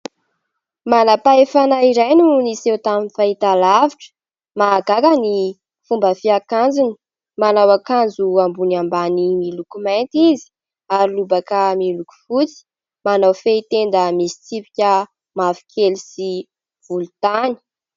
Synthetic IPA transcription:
manapaefanaiɾajnunisewt̪aminfait̪alaviʈ͡ʂə̥ | maːɡakani | fumbəfiakand͡zini̥ | manawakand͡zuambunambanimilukumant̪izi̥ | aɾilubakəmiluku̥fut͡si̥ | manawfeit̪end̪əmisi̥t͡sipi̥kʲə | mafi̥kʰelisi | v̥ulut̪ani̥

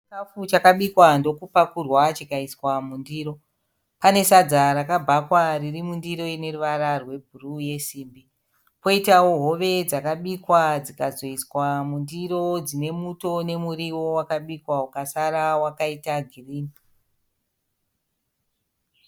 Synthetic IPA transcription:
itafut͡ʃakaɓikwando̞kupakurwat͡ʃikaiswamundiːɾo̞ | pane̞sad͡zaɾakabʱakwaririmundiɾo̞ine̞ruʋaɾarwe̞bʱuruje̞siːmbi | po̞itawo̞ɦo̞ʋe̞d͡zakaɓikwad͡zikazo̞iswamundiro̞d͡zine̞muto̞ne̞muɾiwo̞wakaɓikwawukasaɾawakaitaɡʱiriːni

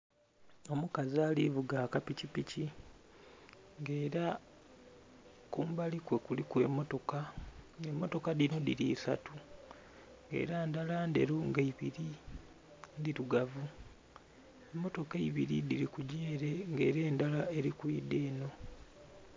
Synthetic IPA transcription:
o̞mukaziaːlivuɡaːkapicipici | ŋɡe̞ːɾa | kuːmbalikwe̞kulikwe̞̰mːo̞to̞kaemːoto̞kadino̞diɾiːsa̰tu | ŋɡe̞̰ːɾandalandḛɾuŋɡaiβiɾi | ndiɾuɡavu | e̞mːo̞to̞keiβiɾḭdiɾikuɟeːɾeŋɡe̞̰ːɾe̞ːndalae̞ɾikuide̞ːno̞

